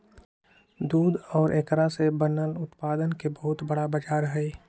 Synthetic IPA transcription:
d̪uːd̪ɔːɾʔekɾasebənəlʊt̪paːd̪ənkebəɦʊt̪bəɽabəd͡ʒaːɾɦɛe

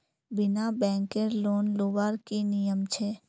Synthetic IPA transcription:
bɪnabɛ̃ːŋkeɾloːnloːʋaːɾkinɪjəmt͡ʃʰeː

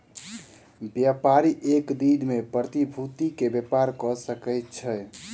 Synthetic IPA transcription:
bjapaɾiʔekd̪id̪mepɾət̪ibʱut̪ikebepaɾkɔsəkɛjt̪̚t͡ʃʰɛ

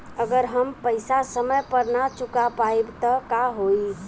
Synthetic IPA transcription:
əɡəɾɦəmpəɪsasəməjpəɾnat͡ʃukapaebt̪ɔkaɦoi

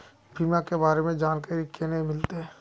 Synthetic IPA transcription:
bʱiːmãkebaːɾemẽd͡ʒaːnkaɾikenɐɦĩmɪlt̪eɦɛ

